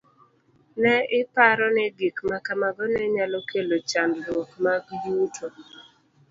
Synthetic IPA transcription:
nɛɪpaɾɔnɛɡikmakamaɡɔnɛɲalɔkʰelot͡ʃandɾwokmaɡjutʰo

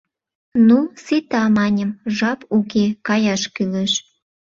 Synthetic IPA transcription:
nuset̪ɑmɑnʲəmʒɑpukekɑjɑʃkyleʃ

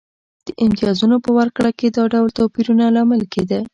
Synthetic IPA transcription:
d̪̥əʔɪmt̪ijɑzunopəwaɾkɽaked̪ɑɖawlt̪opiɾunalɑməlked̪a

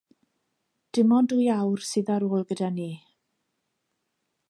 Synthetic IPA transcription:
d̥ɪmɔndujawrsɨðaɾoːlˠɡədaniː

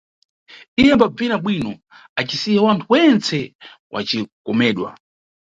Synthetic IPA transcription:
ijɛmbab͡vinaɓwinɔ | at͡ʃisijawantʰuwɛnt͡sɛwʔa̰t͡ʃikɔmɛːɗwa̰

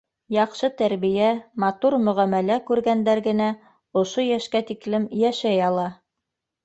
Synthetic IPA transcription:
jɑqʃɤt̪æɾβijæmɑt̪uɾmɵ̆ʁæmælækʉɾɡænd̪æɾɡɘ̆næ | ŏʃojæʃkæt̪iklɘmjæʃæjɑlˠɑ

